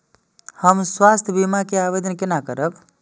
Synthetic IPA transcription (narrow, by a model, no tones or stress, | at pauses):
həmswast̪ʰbimakeabed̪ənkenakəɾəb